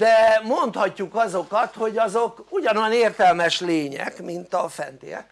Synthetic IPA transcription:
d̪ɛmo̞nt̪hɒcːukɒzo̞kɒt̪ho̞ɟɒzokuɟɒnojneːrt̪ɛlmɛʃleːɲɛ̰kmint̪ɒfɛ̰nt̪ḭɛ̰k

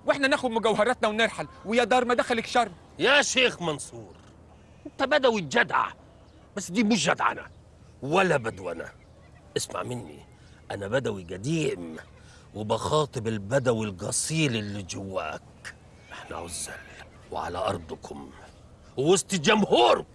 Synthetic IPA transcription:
wʔeħnænæxʊd̪mʊɡæwhɑɾˤɑt̪næwnɪɾħalwɪjæd̪ɑːɾˤmæd̪æxælɪkʃɑrˤː | jæʃeːxmɑnsˤuːɾ | ʔɪnt̪æbæd̪æwid͡ʒæd̪ʕa̰ | bæsːd̪iːmʊʃ̬æ̰d̪ʕa̰næ̰ | wælːæbæd̪wænæ̰ | ʔɪsma̰ʕmɪnːḭ | ʔænæbæd̪æwiɡæd̪iːm | wɪbɑxɑːt̪ˤɨbɪlbæd̪æwilɡɑsˤiːlɪlːid͡ʒowːæ̰ːk | ʔɪħnæ̰ʕʊzːæ̰l | wḛʕa̰læ̰ʔɑ̰ɾˤd̪ˤkʰʊm | wwost̪ˤɪd͡ʒæmhuːɾ

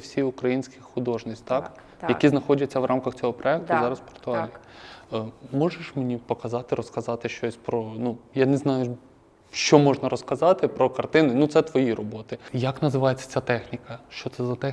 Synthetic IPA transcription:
wsʲiʊkɾɐjinʲsʲkɪxxʊd̪ɔʒnɪsʲt̪ɑk | jɐkʲiznɐxɔdʲɐt͡sʲːɐʋrʔɑmkɐxt͡sʲɔɦɔpɾɔɛk̚t̪ʊizɑɾɐspɔ̥rt̪ʊalʲi | mɔʒeʃmenʲipɔkɐzɑt̪ɪɾɔskɐzɑt̪ɪʃt͡ʃɔsʲpɾɔnujaneznɑjʊ | ʃt͡ʃɔmɔʒnɐɾɔskɐzɑt̪ɪpɾɔkɐrt̪ɪnɪnut̪sɛt̪ʋɔjirɔbɔt̪ɪjɐknɐzɪʋɑjet͡sʲːɐ̥t͡sʲat̪ɛxnʲikɐʃt͡ʃɔt̪sɛzɐt̪ɛ

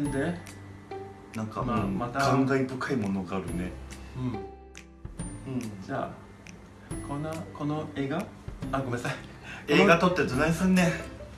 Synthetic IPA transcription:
nd̪e | nãŋkaɯmat̪aɡãŋɡaibɯ̟kʰaimo̞no̞ɡaːɾɯ̟ne̞ɯ̟̃ɴ | ɯ̟̃ɴd͡ʑaː | kʰonako̞noeːɡa | aɡomasai | keːɡat̪o̞t̪ːed̪onaĩsɨ̃nːe

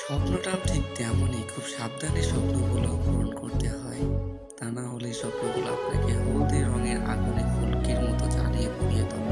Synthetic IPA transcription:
ʃɔpnoʈaʈʰik̚t̪ɛmonekʰubʃab̚d̪ʱaniʃɔpnobʱuloɡɾonkoɾt̪eɦɔe | t̪anaɦoleʃɔpnobʱula̰ɦɔ̰ekeɦod̪eɾːɔŋeɾʔaɡonefulkeɾmɔt̪ot͡ɕalijebʱobijet̪ɔ

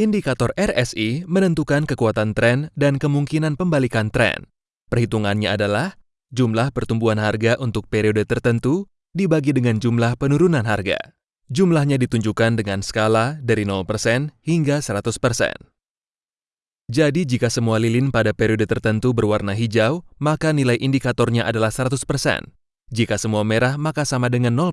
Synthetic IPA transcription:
indikat̪ɔrɛrɛsimənənt̪ukankəkuat̪ant̪ɾɛndankəmuŋkinanpəmbalikant̪ɾɛ̰n | pərhit̪uŋanɲaadalah | d͡ʒumlahpərt̪umbuanɦarɡaʔunt̪ʊk̚peɾiodət̪ərt̪ənt̪u | dibaɡidəŋand͡ʒumlahpənuɾunanɦarɡa̰ | d͡ʒumlahɲadit̪uɲd͡ʒukandəŋansə̥kaladaɾinɔlpərsɛnhiŋɡasəɾat̪uspərsɛ̰n | d͡ʒadid͡ʒikasəmualilɪnpadapeɾiodət̪ərt̪ənt̪ubərwarnaɦid͡ʒawmakanilajʔindikat̪ɔrɲaʔadalahsəɾat̪uspərsɛ̰n | d͡ʒikasəmuameɾahmakasamadəŋanːɔl

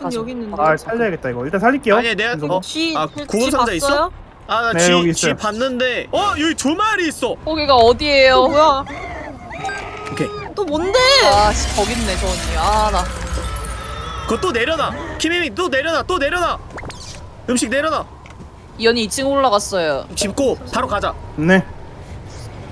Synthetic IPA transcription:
kjʌɡinɯnasʰaʎːeaɡet̚t͈aiɡʌiɭt͈ansʰaʎːik͈eaoɲineaʌakoɡɯmsʰad͡ʑais͈ʌ | aniɡit͡ɕipanːɯnde̞ʌjoɡit͡ɕumaɾiːs͈ʌkoɡiɡaʌdie̞jo | okʰe | t͈omondeai̥kʌɡinːet͡ɕʌɲiana | kɯʌt͈one̞ɾjʌnakʰiminit͈one̞ɾjʌnat͈one̞ɾjʌna | ɯmɕʰik̚ne̞ɾjʌna | ijʌɲiːt͡ɕ͈ʰiŋoɭːaɣas͈ʌjot͡ɕip̚k͈opaɾokad͡ʑane

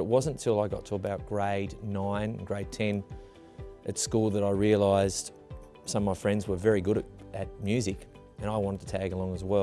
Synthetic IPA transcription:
ɨt̚wʌzə̃ntʰɪlˠaɪɡɑ̰tʰəəbaʊt̚ɡ̥ɹeɪdⁿnãɪ̃nɡɹeɪd̚tʰɛ̃n | ʔɨtskulˠðəɾaɪɹiɨlaɪzd̥ | sʌ̃maɪfɹɛ̃ndzwə˞vɛɹiɡʊɾɨɨt̚mjʉzɨk | ɨ̃ñaɪwɑ̃ñəd̚tʰɨtʰæɡəlɔ̃ŋəzwɛ

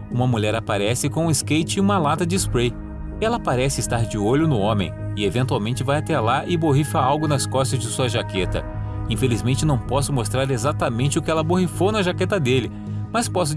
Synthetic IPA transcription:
ũmɐmuʎɛɾapaɾɛsɪkõʊ̃ɪskejt͡ʃɪũmɐlat̪ɐd͡ʒɪspɾej | ɛlɐpaɾɛsɪɪst̪aɾd͡ʒɪoʎʊnʊõmẽj̃ | ɪevẽnt̪uawmẽnt͡ʃɪvajat̪ɛlaʔɪboɦifɐawɡʊnɐskɔst̪ɐzd͡ʒɪsuɐʒaket̪ɐ̰ | ĩfelizmẽnt͡ʃɪnɐ̃w̃pɔsʊmost̪ɾaɾezat̪ɐmẽnt͡ʃɪʊkɪɛlɐbohifownɐʒaket̪ɐd̪elɪ | mɐspɔs̬ʊ

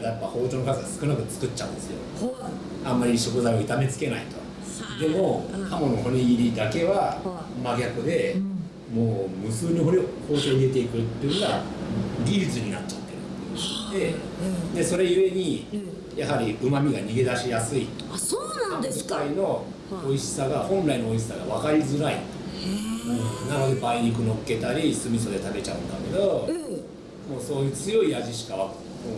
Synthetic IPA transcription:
d̪japːaho̞ːt͡ɕonokazɨɡasɨ̥kɯnakɯ̟t͡sɨ̥kɯ̟tt͡ɕt͡ɕːa̰ɯ̟̃nd̪e̞sɨjo̞̰ | ãmːaɾʲiɕo̞kɯ̟zaio̞it̪ame̞t͡sɨ̥ke̞na̰it̪o̞ | d̪e̞mo̞hamo̞noɦo̞ɲʲiɡʲiɾʲid̪ake̞βa | maɡʲakɯ̟d̪e̞ | moːmɯ̟sɨːɲ̟ioiko̞ːt̪e̞ːiɾe̞t̪̬e̞ikɯt̪ːeɯnoɡaɡʲiɾʲit͡sɨɲ̟inatt͡ɕːḁt̪ːe̞ɾɯ̟ | d̪e̞ | d̪e̞so̞ɾe̞ie̞ɲ̟i | jaɦaɾʲiʔɯ̟mamʲiɡaɲ̟iɡe̞d̪aɕijasɨi | soːnããekaino̞ | oiɕi̥saɡahõ̞nɾainooiɕi̥saɡa̰βakaɾʲizɨɾaḭ | ɯ̃nãnod̪ebaiɲ̟ik̬ɯ̟no̞kːe̞t̪aɾʲisɨmʲiso̞d̪e̞t̪abe̞t͡ɕa̰ɯ̟̃nd̪a̰ke̞d̪o̞ | mo̞ːso̞ːjɯːt͡sɨjo̞iaʑiɕi̥kaβḁ

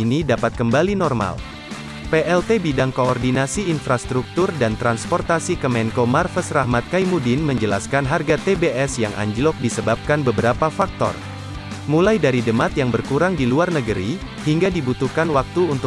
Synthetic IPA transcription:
inidapat̪̚kəmbalinɔrma̰l | peʔɛlt̪ebidaŋkoɔrdinasiːnfɾast̪ɾuk̚t̪urdant̪ɾanspɔrt̪asikəmɛŋkomarfəsrahmat̪̚kajmudinməɲd͡ʒəla̰skanɦarɡat̪ebeʔɛsjaŋʔa̰ɲd͡ʒlɔk̚disəbap̚kanbəbəɾapafak̚t̪ɔ̰r | mulajdaɾidəmat̪jaŋbərkuɾaŋdiluarnəɡəɾi | hiŋɡadibut̪uhkanwak̚t̪uunt̪

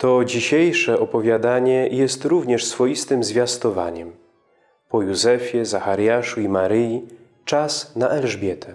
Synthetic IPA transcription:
t̪ɔd͡ʑiɕejʂɛʔɔpɔvʲjad̪aɲɛjɛst̪ɾuvɲɛʂsfɔjist̪ɘmzvʲjast̪ɔva̰ɲɛm | pɔjuzɛfʲjɛzaxaɾjaʂuimaɾɘji | t͡ʂasnaʔɛlʐbʲjɛt̪ʰɛ

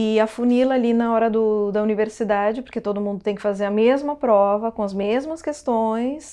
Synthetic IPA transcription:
ɪɐfunilɐːlinɐɔɾɐd̪ʊd̪ɐuniveɾsid̪ad͡ʒɪpoɾket̪od̪ʊmũnd̪ʊt̪ẽj̃kɪfazeɾɐmezmɐpɾɔvɐkõɐzmezmɐskest̪õj̃s

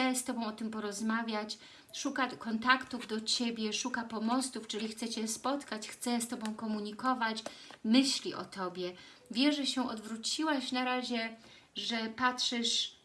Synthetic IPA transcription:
ɛst̪ɔbɔ̃w̃ɔt̪ɘmpɔɾɔzmavʲjat͡ɕ | ʂukakɔnt̪akt̪uvd̪ɔt͡ɕebʲjɛʂukapɔmɔst̪uft͡ʂɘlʲixt̪sɛt͡ɕɛspɔt̪kat͡ɕxt̪sɛst̪ɔbɔ̃w̃kɔmuɲikɔvat͡ɕmɘɕlʲiʔɔ̰t̪ʰɔbʲjɛ | vʲjɛʐɛɕɛʔɔd̪vɾut͡ɕiwaɕnaɾaʑɛ | ʐɛpatʂɨʂ

